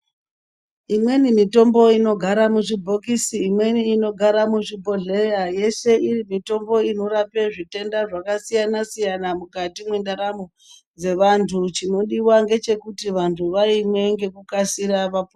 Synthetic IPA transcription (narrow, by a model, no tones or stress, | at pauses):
imwe̞nimito̞mbo̞ino̞ɡʱaɾamuʐibʱo̞kisiːmwe̞niːno̞ɡʱaɾamuʐibʱoɮejaje̞se̞ʔirimito̞mbo̞ino̞ɾapeʐite̞ndaʐakasijanasijanamukatimwendaɾamo | d͡ze̞ʋantʰut͡ʃino̞ɗiwaŋɡe̞t͡ʃe̞kutiʋantʰuʋaimwe̞ŋɡe̞kukasiɾaʋapː